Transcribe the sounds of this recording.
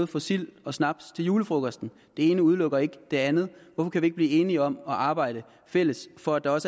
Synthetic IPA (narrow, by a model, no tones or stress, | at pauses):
ð̩ˠfɒ̽sil̰ɒ̽snɑ̈b̥̚st͡sʰe̝ljuːləfʁɔɡ̥ɒsd̥n̩ | d̥e̝e̝ːnəuð̞ˠlɔ̽ɡ̥ɐe̝ɡ̥əd̥e̝ænð̩ˠʋɒfɒ̽kʰæʋie̝ɡ̥̚bliːe̝ːniɒ̽mɒ̽ʔɑ̈ːb̥ɑ̈ɪ̰ɾ̥ə | fel̰əsfɒ̽æd̥ɑ̈ɒ̽s